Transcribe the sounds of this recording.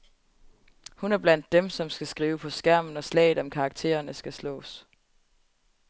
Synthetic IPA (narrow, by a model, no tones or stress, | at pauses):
hunæɐb̥læn̰d̥ːemsɒ̽msɡ̥æsɡ̥ʁiːʊəpʰɒ̽sɡ̥æɐ̰mn̩ɒ̽slɛ̰ːɪð̩ˠɒ̽mkʰɑ̈ɡ̥̚t͡sʰe̝̰ːɐɐnəsɡ̥æslɔ̰̽ːs